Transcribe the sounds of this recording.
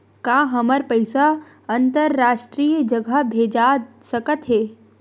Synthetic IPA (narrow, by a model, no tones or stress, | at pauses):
kaːɦɐməɾpəɪsa | ɐnt̪əɾːaːʃʈɾijəd͡ʒəɡʱəbʱeːd͡ʒasəkət̪ɦeː